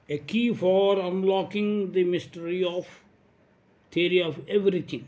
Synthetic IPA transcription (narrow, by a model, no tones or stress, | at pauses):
ekiːfɔːɾʌ̃nlɔkɪ̃ŋd̪imɪsʈəɾiɔʋ | t̪ʰiəɾiɔʋeʋɾit̪ʰɪ̃ŋ